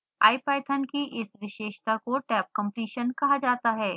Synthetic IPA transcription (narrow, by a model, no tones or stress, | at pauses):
a̰ːipaːɪt̪ʰɐnkiʔɪsʋɪʃeːʃt̪akoʈɛːp̚kɐ̃mpɾiːʃənkɐɦad͡ʒaːt̪aɦɛː